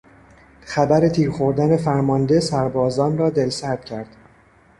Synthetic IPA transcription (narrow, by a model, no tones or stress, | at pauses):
χæbæɾe̞t̪ʰiːɾxo̞ɾd̪æne̞fæɾmɒnd̪e̞sæɾbɒːzɒːnrɒːd̪e̞lsæɾd̪̥cʰæɾd̪̥